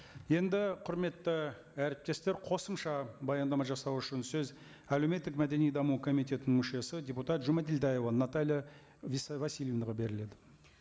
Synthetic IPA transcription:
je̞nd̪ɪqʰʊɾme̞t̪ːə | æɾɪp̚t̪e̞st̪e̞ɾqʰo̞səmʃɑbɑjɑnd̪ɑmɑʒɑsɑwʏʃɪnsɵz | æleme̞t̪ːɪkmæd̪e̞nijd̪ɑmukʰo̞mit̪ʲe̞t̪ɪnɪŋmʏʃe̞səd̪ʲe̞put̪ɑt̪ʒʊmɑt̪eld̪aje̞vɑnɑt̪alʲja | vsvɑsilʲjevnəʁɑbe̞ɾɪle̞d̪ɪ

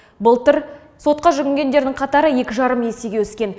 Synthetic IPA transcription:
bəlˠt̪əɾ | so̞t̪̚qɑʒʏɡʲɪŋɡʲe̞nd̪e̞ɾd̪ɪŋqʰɑt̪ɑɾəje̞kʲɪʒɑɾəmje̞se̞ɡʲe̞wɵskʲe̞n

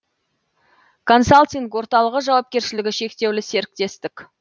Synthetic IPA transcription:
kʰo̞nsalt̪ʲiŋkwo̞ɾt̪ɑlˠəʁəʒɑwɑp̚kʲe̞ɾʃɪlɪɡʲɪʃe̞kt̪e̞wlɪse̞ɾɪk̚t̪e̞st̪ɪkʲ

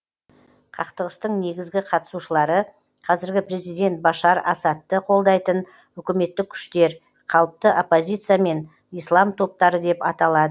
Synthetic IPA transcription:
qʰɑqt̪əʁəst̪əɴne̞ɡʲɪzɡʲɪqʰɑt̪ə̥suʃəlˠɑɾə | qʰɑzɪɾɡʲɪpɾe̞zijd̪e̞nt̪̚bɑʃɑɾɑsɑt̪ːəqʰo̞lˠd̪ɑjt̪ən | ʏkʲɪme̞t̪ːɪkʲʰʏ̥ʃt̪e̞ɾ | qʰɑlˠəp̚t̪əʔopːo̞zʲijt̪sijame̞n | ijslˠɑmt̪ʰo̞p̚t̪ɑɾəd̪e̞pɑt̪ɑlˠɑd̪ə

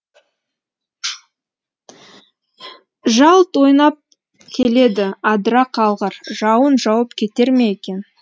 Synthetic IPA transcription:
ʒɑlˠt̪wo̞jnɑp̚ | kʲʰe̞le̞d̪ɪɑd̪ɾɑqʰɑlˠʁəɾʒ̥ɑwənʒɑwəp̚kʲʰe̞t̪e̞ɾme̞jekʲe̞n

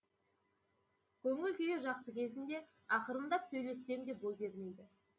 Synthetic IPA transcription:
kʲʰɵŋɪlʲkʲʏjeʒɑqsəkʲʰe̞zɪnd̪e̞ | ɑqəɾəmd̪ɑpsɵjle̞sːe̞md̪e̞p̚bojbʲe̞ɾme̞jd̪ɪ

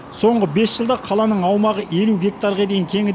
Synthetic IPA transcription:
so̞ɴʁəbe̞sʒ̥əlˠd̪ɑqʰɑlˠɑnəɴɑwmɑʁəʔe̞luɡʲe̞k̚t̪ɑɾʁɑd̪e̞jɪŋkʲʰe̞ŋɪ

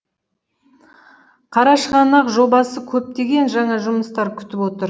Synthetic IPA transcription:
qʰɑɾɑʃʁɑnɑqʒo̞bɑsəkʲʰɵp̚t̪e̞ɡʲe̞nʒɑɴɑʒʊməst̪ɑɾkʲʰʏ̥t̪ɪpwo̞t̪əɾ

